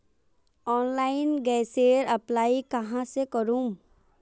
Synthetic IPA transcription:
ɔːnlaːɪnɡɛːseːɾɐplaːikɐɦãsekəɾũːm

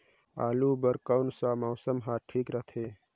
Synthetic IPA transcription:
aːluːbɐɾkəwnsaːmɐːsəmɦaːʈʰiːkɾət̪ʰeː

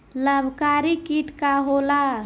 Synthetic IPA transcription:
ləbʱkaɾikiʈkaɦola

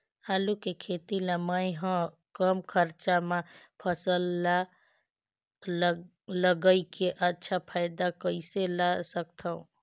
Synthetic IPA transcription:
halukekʰet̪ilãməjɦə̃ | kəmkʰəɾt͡ʃamẽpʰəsəlːa | ləɡəikeʔətːʃʰapʰaɪd̪akəɪselasəkt̪ʰaṵ̃

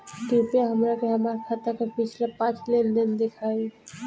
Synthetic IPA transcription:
kupjaɦəmɾakeɦəmaːɾkʰat̪akapɪt͡ʃʰlapãːt͡ʃlend̪ɪnd̪ɪkʰaːi

